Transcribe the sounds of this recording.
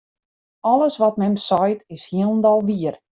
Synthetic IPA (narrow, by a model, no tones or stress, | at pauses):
ɔlˠəsʋɔt̚mɛmsɔjtɪshiəlˠndɔlˠʋiər